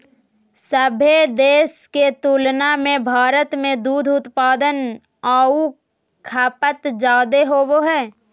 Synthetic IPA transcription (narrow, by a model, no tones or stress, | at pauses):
səbʱed̪eːsket̪uːlnamẽbʱaːɾət̪mẽd̪uːd̪ʱʊt̪paːd̪ən | aːu | kʰaːpət̪d͡ʒaːd̪eɦoʋoɦɛː